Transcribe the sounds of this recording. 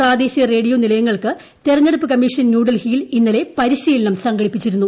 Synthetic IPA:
praːd̪e̞ːɕijɐre̞ːɽijoːnilɐjɐŋːɐɭkɨ | t̪irɐɲːeɽupːɨkɐmːiʂɐnnjuːɽɐlhijilinːɐle̞pɐɾiɕiːlɐnɐmsɐŋɡɐɽipːit͡ɕːiɾunːu

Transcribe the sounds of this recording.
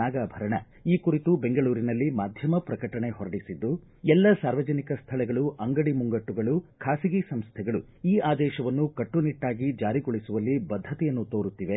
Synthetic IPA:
aːɡaːbʱɐɾɐɳɐ | iːkuɾit̪ubeŋɡɐɭuːɾinɐlːimaːd̪ʱjɐmɐpɾɐkɐʈɐɳe̞hɔɾɐɽisid̪ːu | ɛlːɐsaːɾʋɐd͡ʒɐnikɐst̪ʰɐɭɛɡɐɭuʔɐŋɡɐɽimuŋɡɐʈːuɡɐɭukʰaːsiɡisɐmst̪ʰɛɡɐɭu | iːaːd̪ɛːʃɐʋɐnːukɐʈːuniʈːaːɡid͡ʒaːɾiɡɔɭisuʋɐlːibɐd̪ʱːɐt̪ɛjɐnːut̪oːɾut̪ːiʋe

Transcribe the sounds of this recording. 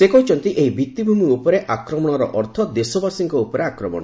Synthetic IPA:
sekɔɦut͡ʃʰɔnt̪iʔeɦibit̪ːibʱumiupɔɾeʔakɾɔmɔɽ̃ɔɾɔʔɔɾt̪ʰɔd̪esɔbasiŋkɔupɔɾeakɾɔmɔ̰ɽɔ̰

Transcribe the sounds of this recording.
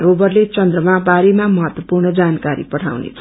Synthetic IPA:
ɾobʌrlet͡sʌnd̪rʌmabaɾemamʌɦʌt̪wʌpurnʌd͡zankaɾḭpʌʈʰa̰wnḛt͡sʰʌ

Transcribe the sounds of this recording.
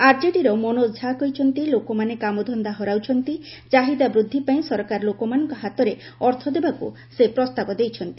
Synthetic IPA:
aɾd͡ʒeʈiɾɔmonod͡ʒʱakɔjt͡ʃʰɔnt̪ilokomanekamod̪ʱɔnd̪aɦɔɾawt͡ʃʰɔnt̪i | d͡ʒaɦid̪abɾud̪ʱːipaĩsɔɾkaɾlokomanɔŋkɔɦat̪ɔɾe | ɔɾt̪ʰɔd̪ebakṵ | sepɾɔst̪abɔd̪ejt͡ʃʰɔnt̪i̥

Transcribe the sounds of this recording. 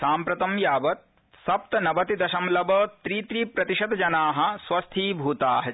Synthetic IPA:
saːmpɾɐt̪ɐmjaːbɐt̪̚ | sɐp̚t̪ɐnɐbɐt̪id̪ɐʃɐmlɐbɐːt̪ɾiːt̪ɾiːpɾɐt̪iʃɐd̪ɐd͡ʒɐnaːɦɐ̆swɐst̪ʰiːbʱuːt̪aːɦɐ

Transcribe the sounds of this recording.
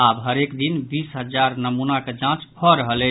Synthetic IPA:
abɦəɾekd̪inbisɦəd͡ʒaɾnəmunaked͡ʒãt͡ʃpʰɔɾəɦəlɛ

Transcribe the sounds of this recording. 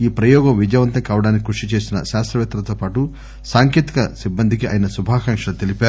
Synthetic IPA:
iːpɾɐjɔːɡɐmʋid͡ʒɐjʋɐnt̪ɐŋkiaːʋɐɽaːnik̬ʲikuʂit͡ʃe̞ːsinɐ̰ʃaːst̪ɾɐʋjɛt̪ːɐlɐt̪oːpaːʈu | saːŋkjeːt̪i̥kɐsibːɐnd̪ʱik̬iʔa̰ːjɐnɐsubʱaːkɐŋkʂɐɐt̪e̞lipaːɾu

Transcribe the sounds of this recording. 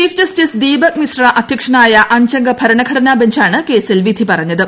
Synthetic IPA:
iːfʰd͡ʑɐsʈisd̪iːbɐk̚misraʔɐd̪ʱjɐkʂɐɳaːjɐʔɐɲt͡ɕɐŋɡɐpʰɐɾɐnɐɡʰʱɐɽɐnaːbɐɲt͡ɕaːɳɨke̞ːsilʋid̪ʱipɐrɐɲːɐðɨ

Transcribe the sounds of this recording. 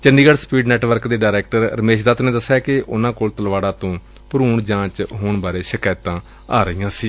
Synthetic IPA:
t͡ʃənɖiːɡəɽspiːɖnɛːʈʋəɾkd̪eːɖaːɾɛːk̚ʈəɾɾəmeːʃd̪aːt̪nẽːd̪əsːaːkɪʔʊ̰nãːkoːlt̪əlʋaːɽãːt̪õː | pʊɾuːɳd͡ʒãːt͡ʃɦoːɳbaːɾeːʃɪkaːjt̪ãː | aːɾəiːãːsiː

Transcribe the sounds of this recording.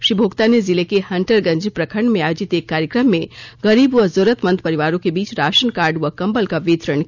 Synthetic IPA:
ʃibʱoːɡt̪anezɪlekehɐ̃ɳʈəɾɡɐ̃ɲd͡ʒpɾɐkʰəɾɳɖmẽaːjoːd͡ʒɪt̪eːkːaːɾjəkɾəmːẽɡɐɾiːbʋɐzoːɾət̪mənt̪̚pɐɾiʋaːɾõkebiːt͡ʃɾaːʃənkaːɾɖʋɐkɐ̃mbəlkaʋiːt̪ɾəɳ

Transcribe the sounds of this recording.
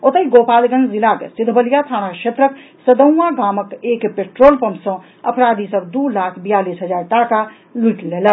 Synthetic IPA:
ot̪əiɡopalɡənzilakḛsid̪ʱbəlijat̪ʰaɽ̃akʃet̪ɾək | səd̪əw̃aɡaməkekpeʈɾolpəmsə̃ | əpɾad̪isəbd̪ulakʰbijalisɦəd͡ʒaɾʈaka | luiʈlelə

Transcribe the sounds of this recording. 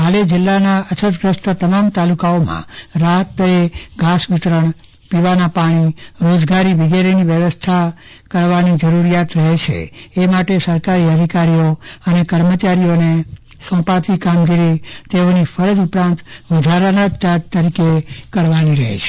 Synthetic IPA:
ɦaled͡ʒɪlːanaʔət͡ʃʰət̪ɡɾəst̪ət̪əmamt̪alukaomã̰ɾaɦət̪ːəeɡasʋit̪ɾəɳ̃ | piʋanapaɽ̃iɾod͡ʒɡaɾiʋiɡeɾiniʋjəʋəst̪ʰa | kəɾʋanid͡ʒəɾuɾijat̪ɾəɦet͡ʃʰḛemaʈesəɾkaɾiəd̪ʱikaɾijoənekəɾmət͡ʃaɾijone | sɔ̃pat̪ikamɡiɾit̪eonifʰəɾəd͡ʒupɾãnt̪ʋəd̪ʱaɾənət̪ad̪t̪ːəɾikekəɾʋaniɾəɦḛt͡ʃʰe̥

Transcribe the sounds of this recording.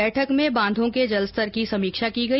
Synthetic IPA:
ɛːʈʰəkmẽbãːnd̪ʱõked͡ʒɐləst̪əɾkisɐmiːkʃakiɡɐ

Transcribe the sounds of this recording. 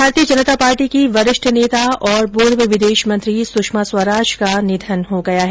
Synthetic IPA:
bʱaːɾt̪ijəd͡ʒɐnət̪apaːɾʈikiʋɐɾɪʃʈʰneːt̪aɔːɾboːɾʋəʋɪd̪eːʃmɐ̃nt̪ɾisʊʃmaswəɾaːʃkanɪd̪ʱənɦoɡɐjaɦɛ

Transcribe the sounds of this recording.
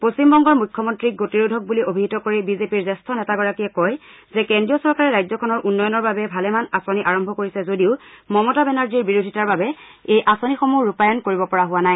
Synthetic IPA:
posimbɔŋɡɔɹmujkʰːɔmɔntɹik̚ɡotiɹudʱɔk̚buliʔobʱiɦitɔkoɹibizepiɹzɛstʰɔnɛtaɡɔɹakiɛkɔj | zɛkɛndɹijɔsɔɹkaɹɛɹajzɔkʰɔnɔɹʔunːɔjɔnɔɹbabɛbʱalɛmanasoniʔaɹɔmbʱɔkoɹisɛzodiʊmɔmɔtabɛnaɹziɹbiɹodʱitaɹbabɛ | ejʔasonixomuɹupajɔnkoɹibɔpɔɹaɦʊwanaj

